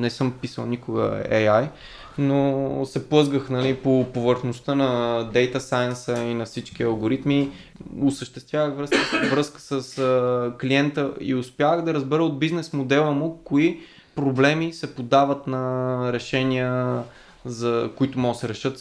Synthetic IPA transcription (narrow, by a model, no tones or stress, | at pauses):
nɛsɤmpisə̰lˠnikʊɡə̰ɛ̰jaj | nosɛplˠɤzɡəxnɐlipopovəɾxnost̪ənɐd̪ɛjt̪ɐsajənsəinɐfsit͡ʃk̟iɐlˠɡoɾit̪mi | ʊsəʃt̪ɛst̪vʲjavəxvɾəskəvɾɤskə̥səskliɛnt̪əḭʊspjavəɣd̪ɐɾəzbɛɾəod̪̚biznɛsmod̪ɛlˠəmʊkoi | pɾoblɛmisɛpod̪avət̪nɐɾɛʃɛnʲiə | zɐkʊit̪omɔɡəsɛɾɛʃɤt̪